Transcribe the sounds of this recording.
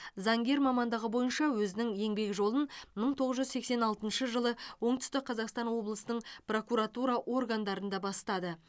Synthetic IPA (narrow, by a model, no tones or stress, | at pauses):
zɑŋɡʲe̞ɾmɑmɑnd̪ɑʁəbo̞jənʃɑwɵzɪnɪŋje̞ŋbe̞kʒo̞lˠənməɴt̪ʰo̞ʁəzʒʏzse̞kse̞nɑlˠt̪ənʃəʒəlˠəwo̞ɴt̪ʏ̥st̪ɪk̚qʰɑzɑqst̪ɑnwo̞blˠəsənəɴpro̞kuɾat̪uɾɑʔo̞rɡand̪ɑɾənd̪ɑbɑst̪ɑd̪ə